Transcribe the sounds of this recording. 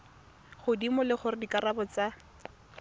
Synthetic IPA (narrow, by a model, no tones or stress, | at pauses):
χʊdimʊlɪχʊrɪdikarabɔt͡sa